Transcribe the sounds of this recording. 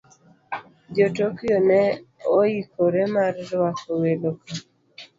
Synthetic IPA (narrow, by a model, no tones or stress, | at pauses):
d͡ʒotokjonɛoikoɾɛmaɾɾwakoweloka